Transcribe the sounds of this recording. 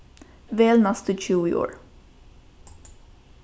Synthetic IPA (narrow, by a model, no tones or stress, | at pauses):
ʋeːlnɑst̪ət͡ʃʉːḭːʔo̰ːɹ